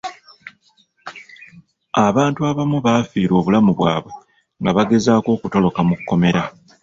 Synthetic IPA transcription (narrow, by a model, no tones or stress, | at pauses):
aβaːntuaβamuβaːfiːɾo̞ːβulamuβwaːβwe̞ | ŋɡaβaɡe̞zaːko̞ːkuto̞lo̞kamukːo̞me̞ɾa